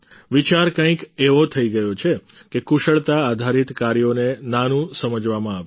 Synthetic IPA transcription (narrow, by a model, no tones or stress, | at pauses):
ʋit͡ʃaɾkə̃ĩkeʋot̪ʰəiɡəjot͡ʃʰe | kekuʃəɭt̪aːd̪ʱaɾit̪kaɾjonenanũsəməd͡ʒʋamãaʋe